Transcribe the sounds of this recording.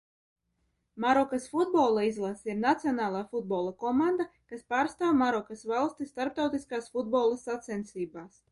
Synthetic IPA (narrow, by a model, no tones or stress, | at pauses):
maɾɔkasfud̪̚bolˠaizlˠasiɾnat̪siɔnaːlˠaːfud̪̚bɔːlˠakɔmand̪akaspaːɾst̪aːwmaɾɔkasvalˠst̪ist̪aɾp̚t̪awt̪iskaːsfud̪̚bɔːlˠasat̪sɛnt̪siːbaːs